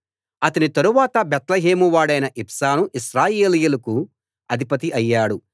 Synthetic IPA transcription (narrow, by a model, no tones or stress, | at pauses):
ɐt̪ɐnit̪ɐɾuʋaːt̪ɐbɛt̪lɐɦeːmuʋaːɽɐjnɐʔipsaːnuʔiʃɾaːjeːlijulɐku | ɐd̪ʱipɐt̪̬iʔɐjːaːɽu